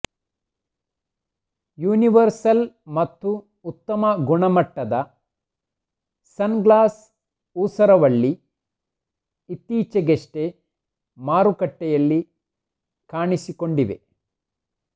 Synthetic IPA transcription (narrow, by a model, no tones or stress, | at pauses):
juːniʋɐɾsɐlmɐt̪ːuː | t̪ːɐmɐɡuɳɐmɐʈːɐd̪ɐ | sɐnɡlaːs | uːsɐɾɐʋɐɭːi | it̪iːt͡ʃɐɡeʂʈe | maːɾukɐʈːɛjɐlːi | kaːɳisiko̞ɳɖiʋḛ